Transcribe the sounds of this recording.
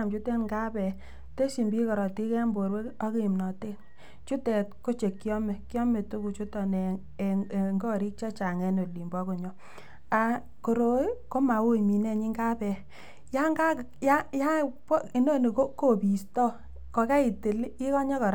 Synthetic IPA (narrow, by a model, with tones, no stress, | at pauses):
a˨mt͡ʃu˦te˦nŋɡa˦pɛ˨ | te˦si˨mbi˦kɔ˨ɾɔ˨ti˦kɛ˦a˦mbo˨ɾwe˦ɔ˦ki˦˨mnɔ˨te˦n | t͡ʃu˦tɛ˨tko˦t͡ʃe˨kːjɔ˦mɛ˨kjɔ˦me˨tu˦ku˨t͡ʃu˦tɔ˨nɛ˨ | ŋɡɔ˦ɾi˦k̚t͡ʃa˦t͡ʃa˨ŋɛ˨no˨li˨mbɔ˦ko˨ɲɔ˨˦ | a˨ | ko˨ɾo˨˦ko˦ma˨wo˦i˨mi˨nɛ˦˨ɲi˦ŋɡa˦pɛ˨ | ja˦ŋɡa˦˨ja˦ja˦pɔ˦i˨no˦ni˨ko˦ko˦˨bi˨stɔ˦ | kɔ˨ka˦i˨te˨li˦kɔ˦ɲɔ˦kɔ˨ɾ